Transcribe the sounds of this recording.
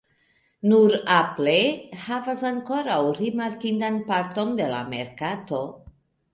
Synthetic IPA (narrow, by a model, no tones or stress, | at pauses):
nuɾaplehavasaŋko̞ɾawɾimaɾkind̪anpaɾt̪o̞nd̪e̞la̰me̞̰ɾkat̪o̞